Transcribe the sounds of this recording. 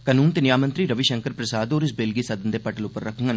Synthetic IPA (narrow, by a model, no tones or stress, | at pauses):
kənuːnt̪enjaːmənt̪ɾiːɾəʋiʃəŋkəɾpɾəsaːd̪oːɾɪsbeːlɡiːsɐd̪ənd̪eːpəʈəlʊpːəɾːəkʰəŋɡən